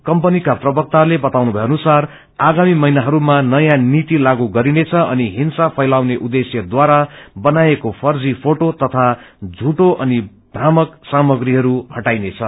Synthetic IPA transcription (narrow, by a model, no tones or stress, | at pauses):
kʌmpʌnikaprʌbʌk̚t̪alebʌt̪awnubʱʌeʌnusar | aɡamimʌjnaɦʌɾumanʌjãnit̪ilaɡuɡʌɾinet͡sʰʌʌniɦinsapʰʌjlawneʔud̪esjʌd̪waɾabʌnaekopʰʌrd͡zipʰoʈot̪ʌt̪ʰad͡zʱuʈoʔʌni | bʱɾamʌksamʌɡriɦʌɾuhʌʈajnet͡sʰʌ